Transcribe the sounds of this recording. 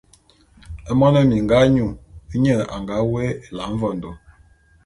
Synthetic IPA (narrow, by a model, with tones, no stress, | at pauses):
ɛ˦mɔ˦nə˦mi˨ŋɡa˦ɲu˦˨˦ɲə˦˨a̰˨ŋɡa˨˦we˦e˨la˨˦ɱ̩˦vɔ˦˨n˨do˨